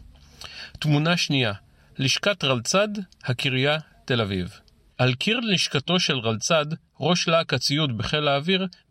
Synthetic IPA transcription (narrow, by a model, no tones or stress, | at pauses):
t̪munaʃnija | liʃkatʁalt͡sadhakiʁja | t̪e̞laviv | alkʰiʁliʃkato̞ʃe̞lʁalt͡sad | ʁo̞ʃlaːkat͡sijutbeχe̞laːviʁ